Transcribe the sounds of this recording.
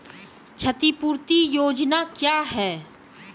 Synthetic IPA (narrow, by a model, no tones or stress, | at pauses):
t͡ʃʰət̪ipuːɾt̪ijoːd͡ʒnakjaːɦɛː